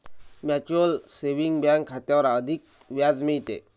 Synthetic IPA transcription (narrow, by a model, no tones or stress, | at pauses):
mat͡ɕuəlseʋiŋɡbjãŋkʰːat̪jaʋəɾad̪ʱik̚ | ʋjad͡zmẽjit̪ḛ